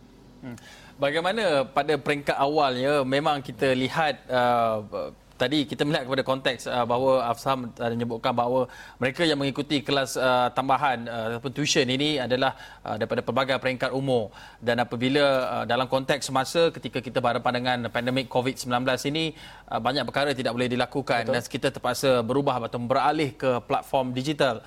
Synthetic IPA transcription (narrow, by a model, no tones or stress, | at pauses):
baɡajmanəpadapəɾɛŋkat̪awalɲəmẽmãŋkit̪əlihat̪̚ə | t̪ːadikit̪əməliɦat̪̚kəpadakɔnt̪ɛksəbaɦwəafsaɦaməɲəbuʔ̚kanbaɦawəməɾekajaŋmə̃ŋikut̪ikəlasət̪ambaɦanət̪apʊnt̪uiʃəniniadalahʔə̰daɾipadapəbaɡajpəɾɛŋkat̪umʊr | danapəbiləədalamkɔnt̪ɛk̚sːəmasəkət̪ikakit̪əbaɾampandaŋãnpɛndɛmɪkʰːovit̪̚səmbilanblasinĩ | ʔəbaɲaʔk̚pəkaɾət̪idaʔ̚bolɛhdilakukandansə̥kit̪at̪ərpaʔsəbəɾubaɦat̪abəɾalɪhkəpla̰t̪̚fɔrmdid͡ʒit̪al